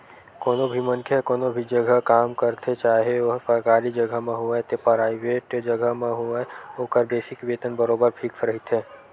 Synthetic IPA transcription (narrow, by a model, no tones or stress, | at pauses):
koːnobʱimənkʰjekoːnobʱid͡ʒəɡʱəkaːmkəɾt̪ʰet͡ʃaːɦeʋɐɦsəɾkaːɾid͡ʒɐɡʱəɦmẽɦuat̪epɾaːɪʋeːʈd͡ʒəɡəɦmẽɦuaoːkəɾbeːʃɪkʋeːt̪ənbəɾoːbəɾpʰiksɾɐɦit̪ɦẽː